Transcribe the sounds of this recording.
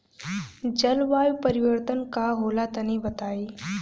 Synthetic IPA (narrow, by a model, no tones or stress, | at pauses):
d͡ʑəlʋajpəɾiʋəɾt̪ənkaɦolat̪ənibət̪ai